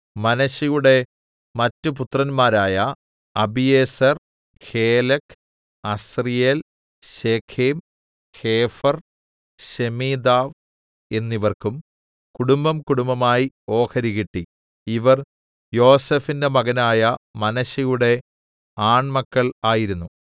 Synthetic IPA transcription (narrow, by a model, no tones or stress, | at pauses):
mɐnɐɕɐjuɽe̞ | mɐtːup̬ut̪rɐnmaːɾaːjɐ | ɐbijeːsɐr | heːlɐkʰ | ɐsrijel | ɕeːkʰeːm | heːfɐr | ɕemiːd̪aːʋ | e̞nːiʋɐrkum | kuɽumbɐmkuɽumbɐmaːjio̞ːkʰɐɾiɣiʈːi | iʋɐr | jo̞ːsefinde̞mɐɣɐnaːjɐmɐnɐɕɐjuɽe̞ | aːɳmɐkːɐɭaːjiɾunːu